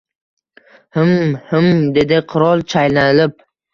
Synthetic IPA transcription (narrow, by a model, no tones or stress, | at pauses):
hɪmhɪmd̪e̞d̪ɪqʰʊɾɒlˠt͡ʃʰajlanɪlɪp̚